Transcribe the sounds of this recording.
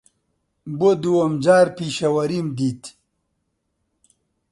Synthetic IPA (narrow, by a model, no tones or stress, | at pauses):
bod̪uwɐmd͡ʑaːɾpiɕɐwɐɾimd̪it̪